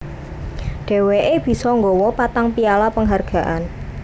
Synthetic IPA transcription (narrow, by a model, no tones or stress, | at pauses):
ɖ̥e̤weʔeb̥i̤sɔŋɡɔwɔpat̪aŋpialapəŋɦarɡ̥a̤ʔan